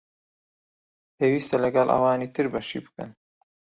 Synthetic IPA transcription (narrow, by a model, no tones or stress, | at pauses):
pʰeːwiːst̪ɐlɐɡɐlʔɐ̰wɑːniːt̪ɨɾbɐʃḭːbɨ̥kɐ̰n